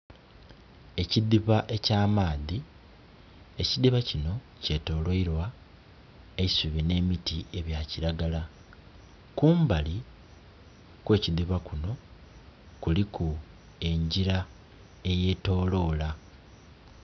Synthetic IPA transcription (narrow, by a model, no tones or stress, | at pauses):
e̞ciðiβaʔe̞caːmaːði | e̞ciðiβacino̞ | ce̞to̞ːlweiɾwa | eisuβine̞mitie̞βjaciɾaɡala | kuːmbali | kwe̞ːciðiβakuno̞ | kuliku | e̞ɲɟiɾa | e̞je̞ːto̞ːlo̞ːla